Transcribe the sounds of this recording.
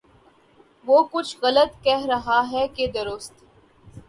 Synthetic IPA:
ʋoːkʊt͡ʃʰɣɐlət̪kɛɦɾɐɦaɦɛked̪ɐɾʊst̪

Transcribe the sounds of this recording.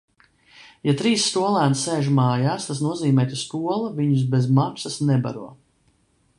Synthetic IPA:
jat̪ɾiːsːt̪uɔlˠæːnseːʒmaːjaːst̪as̬nuɔziːmɛːt̪ust̪uɔlˠaviɲus̬bezmaksasnɛba̰ɾuɔ

